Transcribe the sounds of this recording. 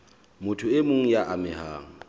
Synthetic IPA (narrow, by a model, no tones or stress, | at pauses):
mʊtʰʊɪmʊŋ̩jaʔamɪhaːŋ̩